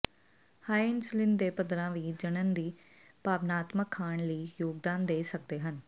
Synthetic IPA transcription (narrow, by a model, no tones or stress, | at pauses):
haːɪnslɪnd̪eːpəd̪ɾãːʋiːd͡ʒənənd̪iː | paːʋnaːt̪məkʰːaːɳləiːjoːɡ̚d̪aːnd̪eːsək̚d̪eːɦən